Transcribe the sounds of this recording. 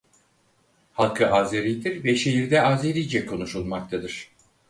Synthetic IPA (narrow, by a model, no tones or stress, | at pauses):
halˠkʰɯʔazeɾʲijd̪iɾvɛʃe̞ɦiɾd̪ɛazeɾijd͡ʒɛkʰo̞nuʃulˠmakt̪ʰad̪ɯɾ̥